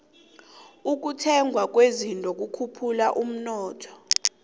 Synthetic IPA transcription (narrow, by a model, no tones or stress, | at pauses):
uk̬utʰɛŋɡʱwak̬ʼwezintʼɔk̬ukʰupʰulaʔum̩nɔːtʰɔ̥